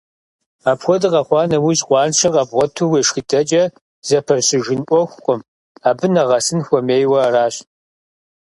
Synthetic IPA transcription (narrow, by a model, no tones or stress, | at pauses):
aːpxʷɔdɨqɐχʷɑːnɐwiɕqʷɑːnʂɐqɐbʁʷɔtʰuweːʂxitʰʼɐt͡ʃʼɐ | z̥ɐpʰɐrɕɪʒɪnʔʷɔxʷqʷʼʊm | aːbɨnɐʁɐsɨnxʷɔmeːjwɐraːɕ